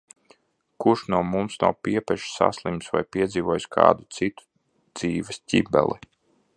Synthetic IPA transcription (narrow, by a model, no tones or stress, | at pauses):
kuʃnuɔmumsna̰wpiɛpɛʃi̥sa̰slˠimsva̰jpʲiɛd̪ziːvuɔjuskʰa̰ːd̪ut̪sit̪u̥ | d̪ziːvɛsʲcʲibɛ̰lˠi